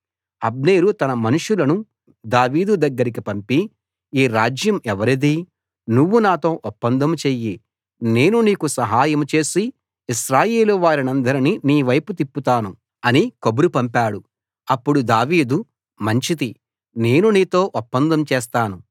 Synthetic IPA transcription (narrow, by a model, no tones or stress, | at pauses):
ɐbneːɾut̪ɐnɐmɐnuʂulɐnu | d̪aːʋiːd̪ud̪ɐɡːɐɾik̬ipɐmpi | iːɾaːd͡ʒjɐmɛʋɐɾid̪i | nuʋːunaːt̪o̞ːʔɔpːɐnd̪ɐmt͡ʃeːjːi | ne̞ːnuniːkusɐɦaːjɐmt͡ʃe̞ːsi | iʃɾaːje̞ːluʋaːɾinɐnd̪ɐɾininiːʋɐjput̪̬ipːut̪aːnu | ɐnikobuɾupɐmpaːɽu | ɐpːuɽud̪aːʋiːd̪u | mɐɲt͡ʃit̪i | ne̞ːnuniːt̪o̞ːʔɔpːɐnd̪ɐmt͡ʃɛːs̬t̪aːnu